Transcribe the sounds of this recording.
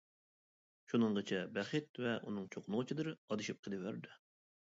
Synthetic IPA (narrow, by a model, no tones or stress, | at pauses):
ʃunɨɴʁət͡ʃʰɛbɛχɨt̪̚vɛʔunɨŋt͡ʃʰoqʰʊnʁʊt͡ʃʰid̪ɨɾɑd̪ɨʃip̚qʰəd̪ɨvæɾd̪ɪ